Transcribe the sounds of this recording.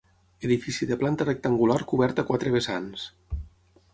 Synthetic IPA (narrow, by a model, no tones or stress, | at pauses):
eðifisiðeplant̪arek̚t̪aŋɡulaɾkuβɛɾt̪akwat̪ɾeβ̞esans